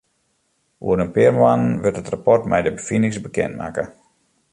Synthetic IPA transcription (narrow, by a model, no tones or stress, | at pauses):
ʔṵəɾənpɪərmanənʋɪtətrapɔrtmɛ̰jdəbəfinɪŋsbəkɛ̰ntma̰ːkə